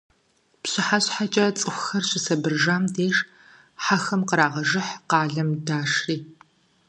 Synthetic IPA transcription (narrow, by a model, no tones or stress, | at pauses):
pɕɪħaɕʼħat͡ʃʼɐt͡sʼɨxʷxɐrɕɪsɐbɨrʒaːmdeːʂ | ħaxɐmqəɾaːʁɐʒɨħqɑːɮɐmdaːʂriː